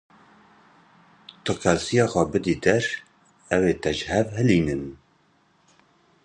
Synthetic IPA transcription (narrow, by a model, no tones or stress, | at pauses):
t̪ʰɨkʰɛsijɑːxʷɛbɨd̪iːd̪ɛɾ | ɛweːt̪ɛʒhɛvɦɨliːnɨn